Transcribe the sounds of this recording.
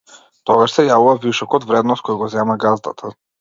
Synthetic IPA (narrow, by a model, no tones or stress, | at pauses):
t̪ɔɡaʃsɛjavuvaviʃɔkɔd̪vɾɛd̪nɔst̪̚kɔjɡɔzɛmaɡazd̪a̰t̪ʰa